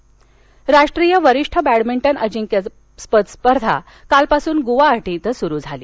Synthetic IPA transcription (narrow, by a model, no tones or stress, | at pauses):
ɾaʂʈɾijəʋəɾiʂʈʰəbæɽmiɳʈənʔəd͡ʑiŋka | spət̪spəɾd̪ʱa̰ | kalpasuːnɡuʋaːʈit̪əsuɾuːd͡zʱalḭː